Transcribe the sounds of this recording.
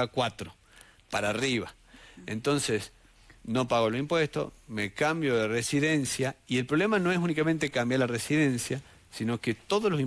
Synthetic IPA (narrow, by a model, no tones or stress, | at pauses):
akwat̪ɾo | paɾariβa | ḛnt̪o̞nses | no̞paɣolosimpwest̪o̰smekambjoðeresiðe̞nsjaie̞lpɾolemano̞es̬unikamẽnt̪ekambjaɾlaresiðe̞nsja | sino̞ket̪o̞ðoslosi